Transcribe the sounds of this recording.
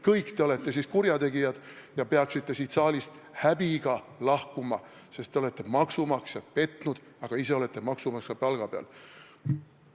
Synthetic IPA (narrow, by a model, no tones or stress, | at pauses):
kɤjkt̪e̞le̞t̪ːˑe̞siskuɾjɑt̪e̞ɡijɑd̪̥jɑpeɑksit̪ˑːe̞siːt̪sɑːlist̪hæbiɡ̥ɑlɑhkumɑ | se̞st̪ːeo̞le̞t̪ˑːe̞mɑksumɑksjɑt̪̚pe̞t̪ːˑnud̪̥ | ɑɡ̥ɑise̞o̞le̞t̪ːˑe̞mɑksumɑkskɑpɑlɡ̥ɑpeɑ̰l